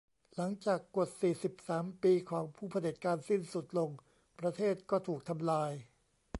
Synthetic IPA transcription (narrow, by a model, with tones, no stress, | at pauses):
la˩˦ŋt͡ɕaː˨˩kːo˨˩t̪̚siː˨˩si˨˩p̚saː˩˦mpiː˧kʰɔː˩˦ŋpʰuː˥˩pʰa˧di˨˩t̪̚kaː˧nsi˥˩nsu˨˩t̪̚lo˧ŋ | pɾa˧t̪ʰeː˥˩t̪̚kɔː˥˩t̪ʰuː˨˩k̚t̪ʰa˧mlaː˧j